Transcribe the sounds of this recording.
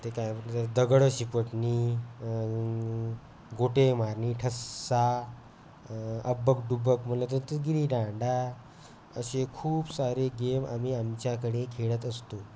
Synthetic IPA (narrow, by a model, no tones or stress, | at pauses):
t̪ekajməet̪əɾd̪əɡɭəɕipəʈniː | ɡoʈemaɾniːʈʰəsːa | əbək̚ɖubəkm̤ənlət̪ət̪əɡiɾiɖãɳɖa | ə̰ɕekʰuːbsaɾeɡema̰miːamt͡ɕjakəɽekʰeɭət̪əst̪o